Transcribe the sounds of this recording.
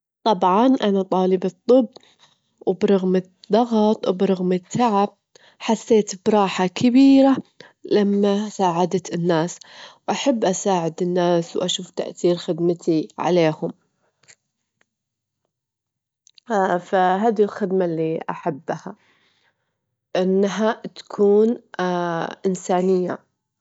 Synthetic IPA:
t̪ˤɑbʕɑnʔanat̪ˤɑːlɪbɨt̪ˤːɨbː | wbɾˤɑɣmɪ | d̪̥ːɑɣt̪ˤwbɾˤɑɣmɪt̪ʰːaʕab̚ | ħasːeːt̪bɾˤɑːħakʰɪbiːɾa | lamːasaːʕad̪at̪ɪnːaːswʔaħabːʔasaːʕɪd̪ɪnːaːswʔaʃuːft̪a̰ʔθiːɾxɪd̪mat̪ʰiʕa̰leːhʊm | faɦaːðilxɪd̪malːiʔa̰ħabːha | ʔɪnːɦat̪ḁkʰuːn | ʔɪnsaːnɪjːa̰

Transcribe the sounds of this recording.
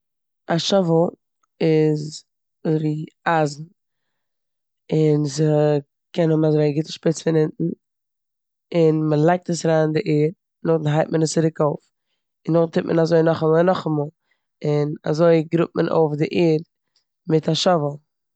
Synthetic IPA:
aʃɔvəlˠ | ɪz | zviːazn̩ | ɪnzə | kɛnhʊmazoɪɡɪtəʃpɪt͡sfɪnɪntn̩ | ɪnməlˠaɪk̚təsɾaːndɪʔeːɾ | nʊχdn̩ɦaɪt̚mənəst͡sɪɾɪkoʊf | ɪnːʊχ̩tʰɪp̚mə̰nazoɪnɔχamɔnɔχamɔlˠ | ɪna̰zoɪɡɾʊp̚mənʔo̰ʊfdɪʔeːɾ | mɪtaʃɔvəl̩ˠ

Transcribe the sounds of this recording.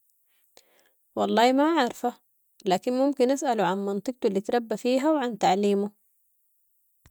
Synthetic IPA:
wɑlˤːɑːhmaʕɑɾˤfa | laːkinmʊmkinʔasʔaluʕanmɑnt̪ˤɨɡ̚t̪ulːit̪ɾˤɑbːafiːɦawʕant̪aʕliːmu

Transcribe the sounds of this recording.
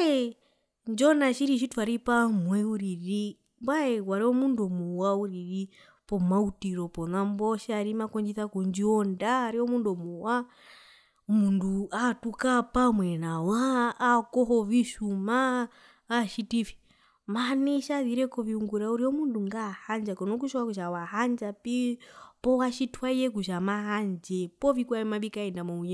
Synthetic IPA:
ɛ | nd͡ʒɔnaʃiɾiʃ̬ituaɾipamwɛuɾiɾi | mbwaɛwaɾiɔmundɔmɔwauɾiɾi | pɔmautiɾɔpɔnambɔʃaɾimakɔɲd͡ʒiθakɔɲd͡ʒiɔndaːɾiɔmundɔmuwa | munduatukapamwɛnawaːkɔɦɔviʃumaː | ʃitifi̥ | maniʃaβiɾɛkɔviuŋɡuɾauɾiɔmunduŋɡahand͡ʒakɔnɔkuʃɔwakuʃawaɦand͡ʒapipɔwaʃitʰwaijɛk̬uʃamaɦand͡ʒɛpɔvikwamaɓikaɛndamɔuɲɛ

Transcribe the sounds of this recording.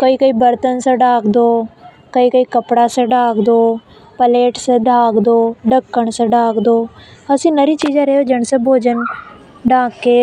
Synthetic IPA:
kəiːkəiːbəɾt̪ənsə̃ɖaːkd̪oː | kəiːkəiːkəpɽaːsə̃ɖaːkd̪oː | pəleːʈsẽd̪ʱaːkd̪oːɖəkːəɳsə̃ɖaːkd̪oːəsĩːnəɾiːt͡ʃiːd͡ʒãɾeɦoːd͡ʒəɳsə̃bʱoːd͡ʒən | ɖaːkːeː

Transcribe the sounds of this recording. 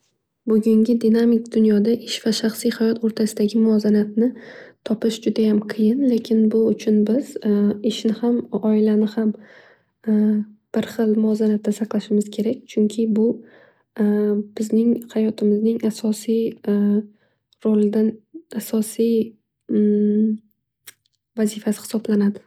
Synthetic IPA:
bʊɡʲʊŋɡʲɪd̪ɪnamɪkd̪ʊnjɒd̪aʔɪʃv̥aʃaχsijhajɒt̪ʰoɾt̪ʰasɪd̪aɡʲɪmʊɒzanat̪nɪt̪ʰɒpɪʃd͡ʒʊd̪ajamqʰɨjɪnle̞kʲʰɪnbʊʊt͡ʃʰʊnbɪz̥ɪʃnɪhamɒɪlanɪham | b̥ɪɾχɨlˠmʊɒzanat̪ʰːasaqlˠaʃɪmɪz̥kʲʰe̞ɾakʲt͡ʃʰʊŋkʲʰɪbʊ | bɪznɪŋhajɒt̪ʰɪmɪznɪŋasɒsij | ɾolɪd̪anasɒsij | vazifasɪ̥hɪ̥sɒblanad̪ɪ

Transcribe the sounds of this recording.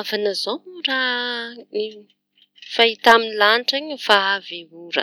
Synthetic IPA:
vanəzomura | fait̪aminlaniʈ͡ʂaɲəfaaveuɾə̰

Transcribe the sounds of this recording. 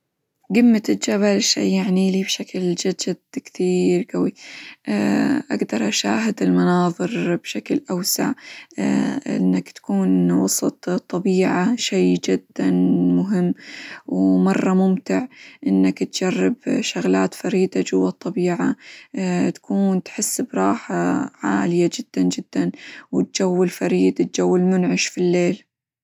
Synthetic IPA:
ɡɪmːat̪ɪd͡ʒaβalʃa̰jːaʕnilibʃakld͡ʒad͡ʒɪd̪kt̪iːɾɡawiʔʔaɡd̪ɑɾˤʔaʃa̰ːɦɪd̪ɪlmanɑːðˤɨɾbʃaklʔawsa̰ʕ | ʔɪ̰nːakt̪ḁkuːnwɑsˤɨt̪ˤt̪ˤːɑbiːʕaʃeːd͡ʒɪd̪ːanmʊɦɪmːwmɑrˤːɑmʊmt̪ɪʕʔɪnːakt̪d͡ʒarːɪbʃʊɣlaːt̪faɾiːd̪ad͡ʒʊwːɑt̪ˤːɑbiːʕa | t̪ḁkʰuːnt̪ħɪsːbɾˤɑːħaʕa̰ːlɪjad͡ʒɪd̪̥ːand͡ʒɪd̪̥ːanwɪt̪̚d͡ʒawːɪlfaɾiːd̪ɪt̪̚d͡ʒawːɪlmʊnʕɪʃfilːeːl

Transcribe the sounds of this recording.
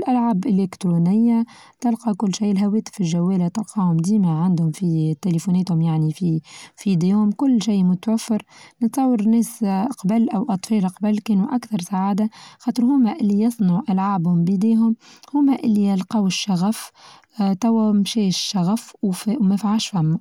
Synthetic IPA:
ɪlʔalʕaːbʔɪlekt̪ɾunɪjːa | t̪ɪlqɑkʊlːʃiːlɦawɛːt̪ɪ̥fɪlʒæwːɛːlat̪ɪlqɑːhʊmd̪iːmaʕand̪hʊmfit̪elefuːnɛːt̪hʊmjaʕnififid̪eːhʊmkʊlːʃiːmʊt̪wæfːɪɾnət̪sˤɑwːɑɾnɛːsqbælʔæwʔɑt̪ˤfɛːlqɑbalkeːnuʔakθɑɾˤsaʕaːd̪axɑːt̪ˤɨɾɦʊmːæʔɪlːijɑsˤnɑʕʔalʕaːbhʊmbid̪eːɦʊmhʊmːæʔɪlːijɑlqɑwʃːaɣæf | t̪æwːæmʃɛːʃʃːaɣæffmæfaʕalʃfæmːa

